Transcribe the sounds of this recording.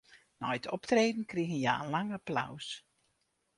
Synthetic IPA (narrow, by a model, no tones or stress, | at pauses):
nɔjtʰɔptreːdən̩kriɣənjaənlaŋapla̰ws